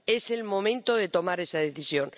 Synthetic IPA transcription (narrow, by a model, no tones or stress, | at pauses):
eselmõmẽnt̪oðet̪omaɾesað̞eθisjõŋ